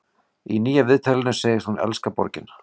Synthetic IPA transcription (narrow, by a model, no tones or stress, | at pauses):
iniːjavɪðt̪ʰalɪnʏseːjɪst̪hunɛ̰lskapɔ̰ɾcɪn